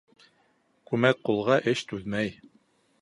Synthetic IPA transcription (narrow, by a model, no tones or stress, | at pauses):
kʉmæk̚qulˠʁɑʔɘʃt̪ʉðmæj